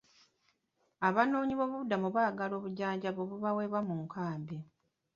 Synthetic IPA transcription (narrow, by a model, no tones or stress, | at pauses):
aβano̞ːɲiβo̞ːβuβudːamuβaːɡalo̞ːβuɟaːɲɟaβoβuβaweːβamuŋkʰaːmbe